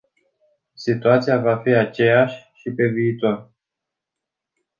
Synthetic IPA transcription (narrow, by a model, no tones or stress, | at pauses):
sit̪uat̪sijavafiat͡ʃe̞jaʃʲʃipe̞viːt̪or